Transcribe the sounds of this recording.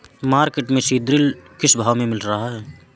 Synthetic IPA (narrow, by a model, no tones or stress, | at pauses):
maːɾkeʈmẽsiːd̪ɾɪlkɪʃbʱaːʋmẽmɪlɾɐɦaɦɛː